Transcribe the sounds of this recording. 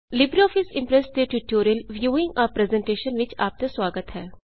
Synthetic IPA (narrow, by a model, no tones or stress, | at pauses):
lɪbɾiɔːpʰɪsɪ̃mpɾɛsʈd̪eʈiʈoːɾiəlʋjuːɪ̃ŋɡɔːɾpɾeːzɛ̃ɳʈeːʃənʋɪt͡ʃa̰ːp̚t̪eswaːɡət̪ɦɛː